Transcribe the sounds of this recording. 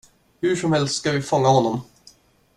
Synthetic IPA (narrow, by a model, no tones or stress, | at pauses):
hɵʂɔmhɛlst̪skavɪfɔŋːahɔnːɔm